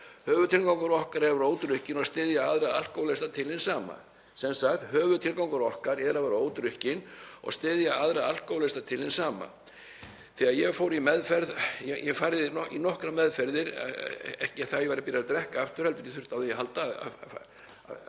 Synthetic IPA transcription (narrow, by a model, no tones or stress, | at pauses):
hœːvʏt̪ʰɪlkawŋkaɾɔhkaɾɛɾoːwt̪ɾʏhcɪnɔɣst̪ɪːðjaaðɾaa̰l̥kowlɛst̪at̪ʰɪlhɪnsaːma̰ | sɛnsaxt̪hœːvʏt̪ʰɪlkawŋkaɾɔhkaɾɛðɾavaɾoːwt̪ɾʏhcɪnɔ̰ɣst̪ɪːðjaaðɾaal̥kowlest̪at̪ʰɪlhɪnsaːma̰ | θɛːɣaðjɛɣfoːwɾimɛðfɛɾðjɛjɛfaːɾðɪinɔhkɾamɛðfɛɾðɪɾ̰ɛɛ̰hcɪaθajɛvaɾapɪːɾaɾat̪ɾɛhkaaft̪ʏɾ̥hɛlt̪ʏɾiθʏ̥t̪awðɛnjɛhalt̪aa̰